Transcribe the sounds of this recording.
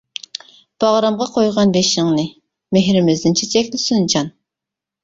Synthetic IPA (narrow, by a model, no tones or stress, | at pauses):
b̥ɑʁɾɑmʁɑqʰojʁɑnbeʃɪŋnɨ | meɦɾɪmɪzd̪ɪnt͡ʃʰɛt͡ʃʰɛkʲlɪsynd͡ʒɑn